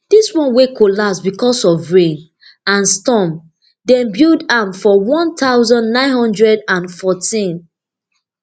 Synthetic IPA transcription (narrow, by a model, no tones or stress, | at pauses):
d̥iswɔ̃nwekʰolapsbikɔsɔvɹẽn | ãnstɔ̃m | dɛ̃mbjudãmfɔwɔ̃nt̪aʊzɔ̃nnãɪ̃nhɔ̃ndɹɛdãnfɔtĩn